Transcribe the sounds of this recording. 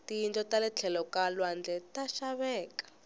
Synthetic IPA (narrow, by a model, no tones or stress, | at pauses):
tijintʼɔtalɛt͡ɬʰɛlɔkalwand͡ɮʱɛtaʃaβɛːkḁ